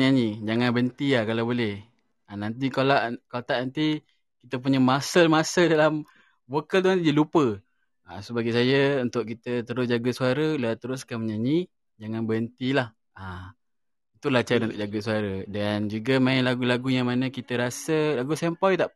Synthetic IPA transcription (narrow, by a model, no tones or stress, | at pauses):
ɲaɲid͡ʒaŋanbənt̪iakalawbolɛh | anant̪̬ikalaʔkalat̪aʔnant̪i | kit̪əp̬uɲəmasəlmasədalam | vokəlt̪uanidilupə | asobaɡijsajəunt̪ʊʔkit̪ət̪əɾʊsd͡ʒaɡəsuaɾəlat̪əɾʊskanməɲaɲi | d͡ʒaŋanbəənt̪ilah | a | it̪ulat͡ʃanunt̪ʊʔd͡ʒaɡəsuaɾədand͡ʒuɡəmaɪnlaɡulaɡujaŋmanəkit̪əɾasəlaɡusɛmpɔjt̪aʔ